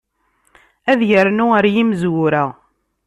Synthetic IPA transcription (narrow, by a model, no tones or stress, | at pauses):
æðjəɾnuəɾjimzwʊɾæ